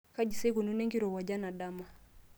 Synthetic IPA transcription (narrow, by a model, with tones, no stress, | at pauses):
ka˦d͡ʒi˨se˦ku˨nu˦nɛ˦ŋɡi˦ɾɔ˨wa˨d͡ʒa˦na˨ɗa˦ma˨